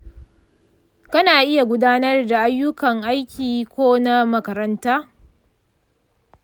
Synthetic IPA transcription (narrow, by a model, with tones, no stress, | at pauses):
kɐ˦naː˨ʔɪ˦ja˨ɡʷʊ˦daː˦nɐ˦rda˨ʔa˦jːʊ˦kɐ˨ŋʔa˦jkʲiː˨kʷoː˦na˦mɐ˦kɐ˨ɾɐ˦ntaː˦